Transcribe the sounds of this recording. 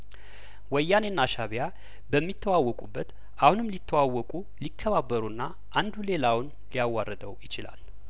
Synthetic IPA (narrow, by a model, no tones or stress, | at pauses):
wəjːanenːaʃaβja | bəmːit̪ʰːəwawːɔkʼubːət̪ | ʔahunɨmlit̪ʰːəwawːɔkʼu | likʰːəβabːəɾunːa | ʔand̪ule̞lawʊn | lijawːarːəd̪əwjɪt͡ʃɪla̰l